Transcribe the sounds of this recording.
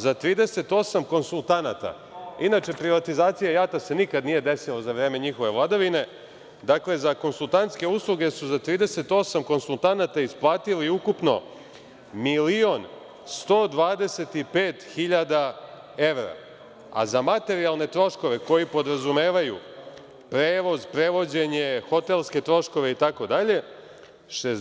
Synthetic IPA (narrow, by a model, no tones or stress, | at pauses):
zat̪ɾiːd̪e̞se̞t̪o̞samko̞nsulˠt̪anat̪a̰ | inat͡ʃe̞pɾiʋat̪izaːt̪sijajat̪ase̞nikad̪nije̞d̪e̞silazaʋɾeːme̞ɲixoʋe̞ʋlˠad̪aʋine̞ | d̪akle̞zako̞nsulˠt̪ant̪ske̞uslˠuɡe̞suzat̪ɾiːd̪e̞se̞t̪o̞samko̞nsulˠt̪anat̪aisplˠaːt̪iliukupno̞̰ | milio̞n | st̪o̞ːd̪ʋaːd̪e̞se̞t̪ipeːt̪xiʎad̪a | e̞ʋɾa̰ | a̰zamat̪e̞ɾialˠne̞t̪ɾo̞ʃko̞ʋe̞ko̞jipo̞d̪ɾazume̞ːʋajṵ | pɾeːʋo̞zpɾe̞ʋo̞d͡ʑe̞ɲe̞xo̞t̪e̞lˠske̞t̪ɾo̞ʃko̞ʋe̞it̪ako̞d̪aʎe̞ | ʃe